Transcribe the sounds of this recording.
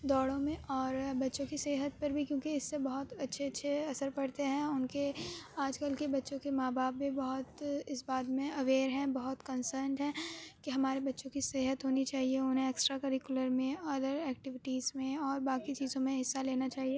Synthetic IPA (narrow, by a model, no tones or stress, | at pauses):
d̪ɔːɽõmẽʔɔːɾbɐtːʃõkiseːɦət̪̚pɐɾbʱikjõːkeɪsːebɐɦʊt̪ɐtːʃʰeɐtːʃʰeɐsəɾpɐɽt̪eɦɛ̃ʊnkeaːd͡ʒkəlkebɐtːʃõkemaːbaːpːibɐɦʊt̪ɪsbaːd̪mẽɐʋeːɾɦɛ̃bɐɦʊt̪kɐ̃nsəːɾɳɖɦɛ̃ːkiɦɐmaːɾebɐtːʃõkiseːɦət̪ɦoːnit͡ʃaːɦieʊnɦẽeːksʈɾakɐɾɪkjʊləɾmẽɐd̪əɾɛːk̚ʈɪʋɪʈiːzmẽɔːɾbaːkit͡ʃiːzõmẽɦɪsːaleːnat͡ʃaːɦie